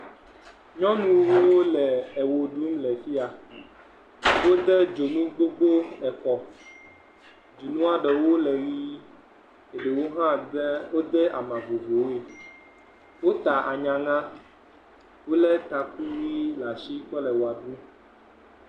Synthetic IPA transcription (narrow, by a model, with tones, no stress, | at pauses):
ɲɔ̃˦nũ˨wo˦o˦lɛ˨ɛ˨wo˨ɖu˦mlɛ˨fi˦a˨ | wo˦d̪ɛ˦d͡ʒo˨nũ˦ɡ͡bo˦ɡ͡bo˦ɛ˨kɔ˨ | d͡ʒu˨nũ˦a˦ɖɛ˨wo˦lɛ˨ɣi˦ | e˨ɖe˨wo˦ɦã˦ɛ˦wo˦d̪ɛ˦ʔa̰˨mã˨vo˨ve˨wo˦e˨ | wo˦t̪a˨ʔa˨ɲã˨ŋã˦ | wo˦lɛ˦t̪a˨ku˦wi˦la˨si˦k͡pɛ˦lɛ˨wo˨a˨ɖũ˦